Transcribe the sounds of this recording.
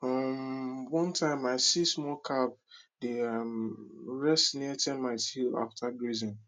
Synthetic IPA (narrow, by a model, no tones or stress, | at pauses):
fɔmwɔ̃ntʰãɪ̃maɪsismɔkʰap̚deamɹɛstniatʰɛ̃nmaɪtila̰ftʰaɡɹizɪ̃n